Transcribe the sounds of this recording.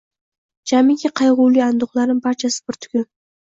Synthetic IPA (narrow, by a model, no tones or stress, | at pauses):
d͡ʒamɪkʲaqʰɑjʁuwliand̪ʊχlˠaɾnɪŋpaɾt͡ʃʰasɪ̥bɪɾt̪ʰʊ̥kʲɪn